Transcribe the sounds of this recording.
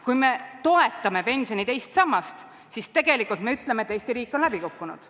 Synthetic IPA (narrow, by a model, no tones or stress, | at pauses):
kujme̞t̪o̞e̞t̪ːˑɑme̞pe̞nʲsʲjo̞nit̪e̞jst̪sɑmːɑst̪ | sist̪e̞ɡ̥e̞likːˑult̪me̞yt̪ˑlemet̪ːˑejst̪iɾiːkːˑo̞nlæbikukːunṵd̪̥